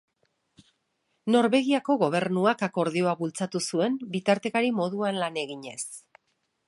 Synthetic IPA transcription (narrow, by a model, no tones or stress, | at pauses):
no̞ɾβe̞ɣiako̞ɣo̞β̞e̞ɾnuakako̞ɾð̞io̞aβult͡sat̪usue̞mbit̪aɾt̪e̞kaɾimo̞ðuanlane̞ɣiɲe̞s